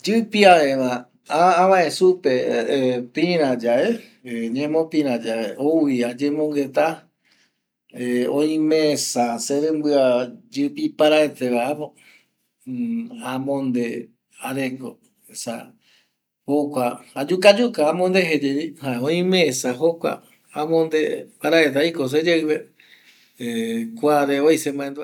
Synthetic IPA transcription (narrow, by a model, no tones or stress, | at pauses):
d͡ʒɨpiaẽʋa | aaʋãẽsupe | pĩɾ̃ãd͡ʒae | ɲẽmõpĩɾãd͡ʒaeouiad͡ʒemõŋɡet̪a | eõĩmẽsaseɾẽmbɨad͡ʒɨpipaɾaet̪eʋaapo | amõnd̪e | aɾeko | esa̰ | hokʷaad͡ʒukad͡ʒukaamõnd̪eɦed͡ʒeihaeõĩmẽsaɦokʷa̰ | amõnd̪epaɾaet̪̬aikos̬ed͡ʒeɨβe | ekʷaɾeojsemãẽnd̪u